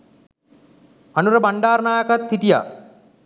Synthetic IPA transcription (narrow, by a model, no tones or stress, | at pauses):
anuɾəbaɳɖaːɾnaːjɐkat̪hiʈija̰